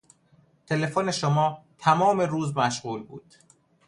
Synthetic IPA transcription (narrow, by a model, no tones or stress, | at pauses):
t̪ʰe̞le̞fone̞ʃomɒːt̪ʰæmɒːme̞ɾuːzmæʃɢuːlbṵːd̪̥